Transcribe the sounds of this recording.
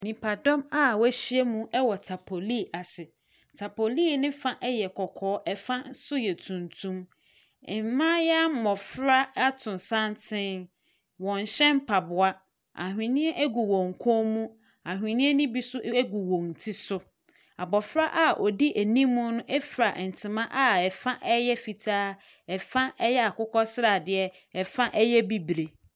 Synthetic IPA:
nĩ˨pʰa˨dɔ̃˦ma˦wæ˨ɕi˦e˦mũ˦ɛ˦wɔ˨tʰa˨pʰo˨li˦˨a˨sɪ˨ | tʰa˨po˨liː˦˨nɪ̃˦fã˦ʔɛ˦jɛ˨kʰɔ˨kʰɔː˨˦ʔɛ˨fã˦sʊ˦jɛ˨tʰũ˨ntʰũ˦m˨ | m˨mã˦jɛ˦a˦mɔ˨fɾa˦a˦tʰʊ̃˨n˨sã˦ntʰɪ̃˦n | wɔ̃˨n˨ɕɛ̃˦m˦pʰa˨bʊ˨a˦ | a̰˨ɦᶣɪ̃˨nɪ̃˦ɛ˦ʔe˦ɡu˨wõ˨ŋ̩˨kʰo˦mũ˦ | a˨ɦɪ̃˨nɪ̃˦ɛ˦nĩ˦bi˦sʊ˦ɡu˨wõ˨ŋn˨tʰi˦sʊ˦ | a˨bɔ˨fɾa˦ʔa˦ʔɔ˨di˦ʔæ˨nĩ˦mmʊ̃˦nʊ̃˦ʔɛ˦fɾa˨n̩˨tʰɪ̃˨mã˦ʔa˦ɛ˨fã˦ʔɛ˦jɛ˦fi˨tʰaː˦ | ɛ˨fã˦ʔɛ˦jɛ˦a˨kʊ˦kʰɔ˦sɾa˨dɪ˨ɛ˦ | ɛ˨fã˦ʔɛ˦jɛ˦bi˦bɾe˨

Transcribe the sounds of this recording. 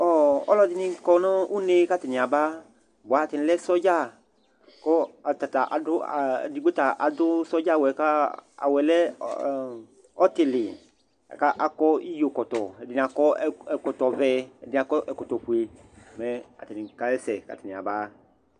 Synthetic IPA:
ɔ˨ɔ̰˦lɔ˦dɪ˦nɪ̃˧kɔ˨nɔ̃˦u˦ne˦ka˦tɪ˨nɪ̃˨a˨ba˦ | bʷa˨˦˨tɪ˨nɪ̃˦lɛ˦sɔ˦d͡ʒa˦˨ | kɔ˦a˨ta˨ta˨ʔa̰˨dʊ̰˦˨di˨˦ɡ͡be˦ta˨ʔa˨dʊ˦sɔ˦d͡ʒa˦˨wɛ˨ka˦a̰˨wɛ˨lɛ˦ | ɔ˦tɪ˨lɪ˨ | a̰˨ka˦ʔa˨kɔ˦i˦jo˨kɔ˨tɔ˨ɛ˨dɪ˨ni˨a˨kɔ˦ɛ˨kɔ˨tɔ˨vɛ˦ɛ̰˨dɪ˨˦a˨kɔ˦ʔɛ˨kɔ˨tɔ˨pu˨e˨ | mɛ˦a̰˨ti˨ĩ˨ka˦ɛ˦sɛ˨ka̰˨tɪ˨nĩ˨a̰˨ba˦

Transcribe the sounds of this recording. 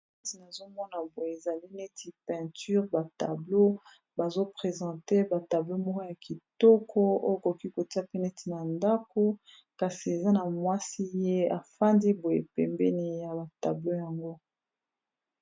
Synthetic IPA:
ti˨na˨zo˦mɔ˦na˨bo˨je˨e˨za˨li˦ne˦ti˨pɛ̃˨ty˦ʁba˨ta˨blo˦ | ba˨zo˦pʁe˨zɑ̃˨te˦ba˨ta˨blo˦mɔ˦ko˦ja˨ki˨tɔ˦kʰɔ˦o̰˦jko˨ki˦ko˨ti˦a˦pe˦nɛ˦ti˨na˨nda˦ko˦ | ka˨si˨e˨za˦na˨mwa˦si˦je˦a˨fa˦ndi˦bo˨je˨pɛ˨mbɛ˦ni˦ja˨ba˨ta̰˨blo˦ja˨ŋɡo˦

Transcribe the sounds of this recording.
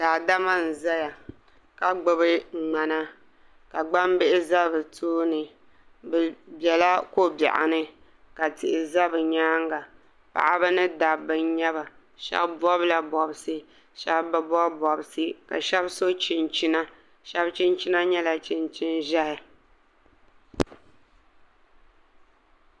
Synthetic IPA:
daː˨da˦ma˦n̩˨za˦ja˨ | ka˨ɡ͡bɨ˨bɨ˦˨ŋ͡ma˨na˦ | ka˨ɡ͡ba˦mbɪ˦ʔɪ˦za˦˨bɨ˨tʰoː˦nɨ˨ | bɛ˨bjɛ˨la˦ko˦bɛ̰˨ʔa̰˨nɨ˦ | ka˨tɪ˨ʔɪ˨za˦bɨ˨ɲaː˦ŋɡa˨ | pa̰˨ʔa˦bɨ˦nɨ˦da˨bɨ˨ɲɛ˦ba˨ | ʃɛ̰˦bbɔ˦bla˨bɔ˨bsɨ˦ | ʃɛ˦bba˨bɔ˦bɔ˨bɨ˨sɨ˦ka̰˨ʃɛ˦bso˦t͡ʃɪ˨nt͡ʃi˦na˦ | ʃɛ˦bt͡ʃɪ˦nt͡ʃi˦na˦ɲɛ˦la˨t͡ʃɪ˨nt͡ʃɪ˦nʒa˦hɪ˨

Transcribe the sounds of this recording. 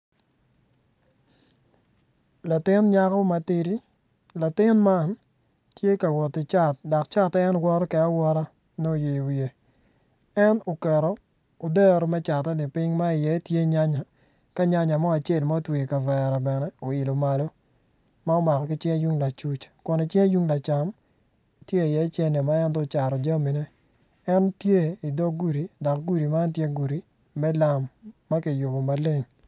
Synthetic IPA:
la˨tɪ˦nɲa˦kɔ˦ma˨ti˦ɾi˦ | la˨tɪ˦nma˦n | tje˦ka˨wɔ˨tɪ˨t͡ʃa˦˨tda˨kt͡ʃa˦tɛː˦nɡwɔ˦ɾɔ˦kɛ˨a˦wɔ˦ɾa˦ | no˦˨je˨wje˨ | ɛ˦no˨kɛ˨ɾɔ˦ | o˨dɛ˦ɾɔ˨mɛ˦t͡ʃa˨tːɛ˦nɪ˨pɪ˦ŋma˦ɪ˨jɛ˨˦tje˦ɲa˦ɲa˨ | ka˦ɲa˦ɲa˨mɔ˦a˨t͡ʃe˦˨lma˦o˦twe˨i˨ka˨vɛ˨ɾa˨bɛ˨nɛ˦o˨ɪ˨lo˨ma˨lo˦ | ma˦o˦ma˨kɔ˨kɪ˦t͡ʃɛ˦a˦ju˦ŋla˨t͡ʃu˦t͡ʃkɔ˨nɔ˨t͡ʃɛ˦ju˦ŋla˨t͡ʃa˨m | tje˦ɪ˨jɛ˨˦t͡ʃɛ˦ne˨ma˦ɛ˦ntɔ˦t͡ʃa˨ɾɔ˨d͡ʒa˦mi˨nɛ˦ | ɛ˦ntje˦i˨dɔ˦ɡu˦ɾi˨dɔ˨kɡu˦ɾi˨ma˦ntje˦ɡu˨ɾi˨ | mɛ˦la˨mːa˦kɪ˨jʊ˨bo˨ma˨le˦ŋ

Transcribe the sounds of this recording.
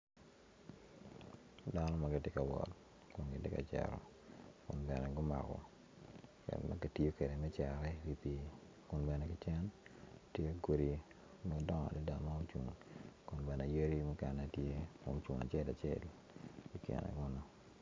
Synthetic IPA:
da˦nɔ˦ma˨ɡɪ˨tɪ˦ka˨wɔ̰˨t | kʊ˨nɡɪ˨tɪ˦ka˨t͡ʃɛ̰˨ɾɔ̰˨ | kʊ̰˨nbɛ˨nɛ˨ɡʊ˦ma̰˨kɔ̰˨ | kɛ̰˨nma̰˦ɡi˨ti˦o˦ke˨de˨mɛ˦t͡ʃɛ˨ɾɛ˦wi˨pi˨ | kʊ˨nbɛ˨nɛ˨kɪ˦t͡ʃɛ˦ntje˦ɡo˦ɾi˨ | m˦o˨dɔ˦ŋa̰˨li˦da˨ma˦o˦t͡ʃu˨ŋkʊ˨nbɛ˨nɛ˨je˦ɾi˦mu˦kɛ˨na˨tje˦ko̰˦m˦t͡ʃu˨ŋa̰˨t͡ʃe˦˨la˨t͡ʃje˦˨l | i˦kḭ˨nɛ̰˨ɡʊ˦no˨

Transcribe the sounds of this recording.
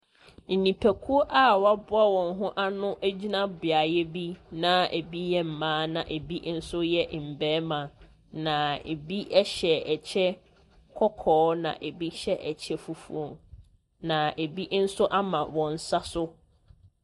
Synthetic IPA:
n̩˨nĩ˨pʰæ˨kʰu˦ʔa˦˨wa˦bʊ˦a˦wɔ̃˨nɦʊ̃˦ʔa˦nʊ̃˦ʔæ˦d͡ʑi˦nã˦bɪ˨a˨jɛ˦bi˦nã˨ḛ˨bi˦jɛ˦m̩˨mãː˨˦nã̰˨ʔe˨bi˦n̩˦sʊ˦jɛ˦ʔm̩˨bɛː˨˦mã˨ | nã˨ḛ˨bi˦ʔɛ˦ɕɛ˨ɛ˨t͡ɕʰɛ˦ | kʰɔ˦kʰɔː˨˦nã̰˨ʔe˨bi˦ɕɛ˦ʔɛ˨t͡ɕʰɛ˦fu˦fṵ˦o˨ | nã˨e˨bi˦ʔn̩˦sʊ˦ʔa˦mã˨wɔ̃˨n̩˨sa˦sʊ˦

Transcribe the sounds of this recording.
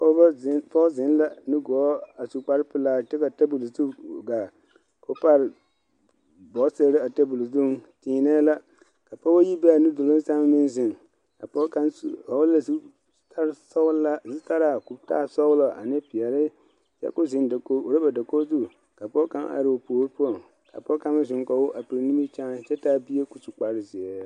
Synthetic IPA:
pɔ˦ba˦pɔ˦zɪ˨˦n˦la˦nɨ˦ɡɔː˨˦a˨su˨k͡pa˦ɾɪ˦pɪ˦laː˦t͡ʃɪ˦ka˨ta˦bu˨lzu˦ɡa˨ | ko˦pa˦ɾɪ˨ | bɔ˨˦se˦ɾɪ˦a˨ta˦bu˨lzu˦tiː˨nɛ˦la˦ | ka˨pɔ˦ba˦ji˦bɛ˦a˨nɨ˦do˨lo˦n˦sa˦mɪ˦nzɪ˨ŋ | ka˨pɔ˦ka˦n˦ɔ˨wla˨s | sla˦si˦ta˦ɾa˨ku˨bta̰˦˨sɔ˦wlɔ˨ʔa̰˨nɪ˦pɪ˨ɛ˨ɾɪ˦ | t͡ʃɛ̰˦kʊ˦zɪ˨nda˨ko˦o˨ɾe˦ba˨da˨ko˦zu˦˨ | ka˨pɔ˦kã˦na̰˨ɾɪ˨o˨poː˨˦ɾpu˦ɔ˨ŋ | ka̰˨pɔ˦ka˦ma˦zɪ˨ŋkɔ˨wʊ˦ʔa˨pi˨ɾnĩ˦mi˦t͡ʃã˦t͡ʃɛ˦taː˦bi˦e˦ku˨tu˨k͡pa˨ɾɪ˦zɪ˨ɛ˨˦

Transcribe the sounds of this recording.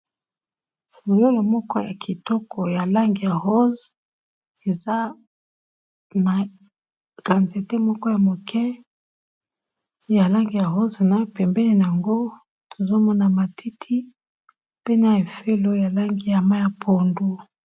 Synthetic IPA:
fo˨lo˦lo˨mɔ˦kɔ˦ja˨kʰi˨tɔ˦kʰɔ˨ja˨la˦ŋɡi˨ja˨ho˦z | e˨za˦ | na˨ | ɡ̥a˨nze˨te˦mɔ˦kɔ˦ja˨mo˨kʰɛ˦ | ja˨la˦ŋɡi˨ja˨ɦo˦zna˨˦pɛ˨mbɛ˦le˨na˨ja˨ŋɡo˦ | to˨zo˦mɔ˦na˨ma˨ti˦tʰi˦ | pe˦na˨e˨fe˦lo˦ja˨la˦ŋɡi˦˨ja˨ma˦ja˨pʰo˨ndu˦

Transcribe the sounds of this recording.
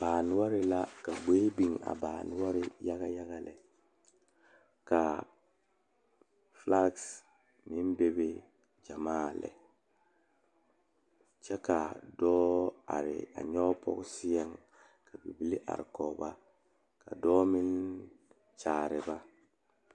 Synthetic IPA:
b̥aː˨n˨wa˦ɾɪ˦la˦ka˨ɡ͡be˦bi˨ŋa̰˨baː˨n˦wa˦ɾɪ˦ja˦ɣa˦ja˦ɣa˦lɛ̰˨ | ka˨ | fla˦ks | mi˦nbe˦be˦ | d͡ʒa˨maː˦˨lɛ̰˨ | t͡ʃɛ˦ka˨dɔː˦a̰˨ɾɪ̰˨a̰˨ɲɔ˦pɔ̰˦ksɪ˦jɛ˦ŋ | kʰa˨bi˨bi˨˦li˦ʔa̰˨ɾɪ˨kɔː˨ba˦ | ka̰˨dɔː˦mi˦n | t͡ʃaː˨ɾɪ˨ba˦

